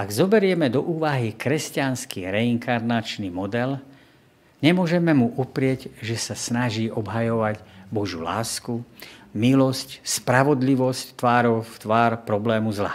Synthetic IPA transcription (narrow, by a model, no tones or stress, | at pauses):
aɡzɔbɛɾɪɛmɛd̪ɔʔuːʋaɦikɾɛscanskiɾɛiŋkʰaɾnat͡ʃnimɔd̪ɛl | ɲɛmʊɔʒɛmɛmuʔupɾɪɛɟʒɛsasnaʒiːʔɔbɦajɔʋaɟbɔʒjula̰ːskumilɔscspɾaʋɔd̪liʋɔsct̪ʋaːɾɔft̪ʋaːɾpɾɔblɛːmuzla̰